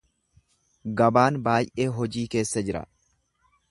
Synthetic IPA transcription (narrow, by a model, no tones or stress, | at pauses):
ɡɐbaːnbaːjʔe̞ːɦɔd͡ʒiːke̞ːsːɐd͡ʒɪɾɐ̰